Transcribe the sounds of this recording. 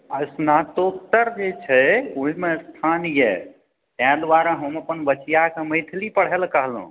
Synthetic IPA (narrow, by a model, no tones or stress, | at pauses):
əsnat̪ok̚t̪əɾd͡ʒet͡ʃʰɛuɦimest̪ʰanjɛ̰ | t̪ãd̪waɾaɦəməpənbət͡ʃijakeməjt̪ʰlipəɽ̤ɦelkəɦlɦṵ̃